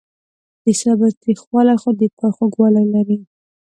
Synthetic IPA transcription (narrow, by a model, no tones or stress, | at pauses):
d̪̥əsabat̪ɾixwɑlaxod̪əkaxoɡwɑlalaɾi